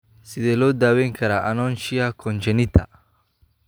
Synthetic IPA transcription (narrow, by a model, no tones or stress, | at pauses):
sɪðɛlɔːd̪aːwɛŋkʰɐɾaʔanɔnʃiakʰɔnt͡ʃɛnit̪ʰa̰